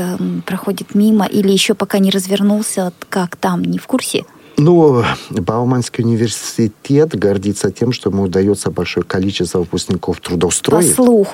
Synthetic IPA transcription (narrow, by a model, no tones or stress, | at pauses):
pɾɐxodʲɪt̪mʲiməʔilʲɪjɪɕːo̞pɐkanʲɪɾəzvʲɪrnulˠsʲəkakt̪amnʲɪfkursʲɪ̰ | nubɐlˠmanskʲɪʊnʲɪvʲɪrsʲɪtʲet̪ɡɐrdʲit̪sətʲe̞mʂt̪omuʊd̪ɐjot̪səbɐlʲʂojəkɐlʲit͡ɕɪst̪vəʊpʊsʲknʲɪkoft̪ɾʊd̪ɐʊst̪ɾojsɪflˠux